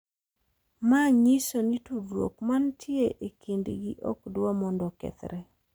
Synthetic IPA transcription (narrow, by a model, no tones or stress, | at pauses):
maɲisonitudwo̰kmantʰjeʔekʰendɡḭʔɔkdwɔmɔndɔkɛ̰t̪ɾɛ